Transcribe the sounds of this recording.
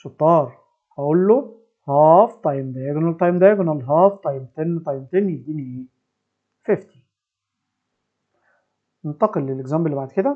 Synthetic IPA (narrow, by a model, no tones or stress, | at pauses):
ʃot̪ˤːɑːɾˤ | hæʔolːo | hɑft̪ˤɑjmd̪æɡonælt̪ˤɑjmd̪æɡonælɦɑːft̪ˤɑjmt̪enːt̪ˤɑjmt̪enːied̪iːniʔeː | feft̪i̥ | nent̪ɑqelːeleɡzæmbelːibaʕd̪ked̪æ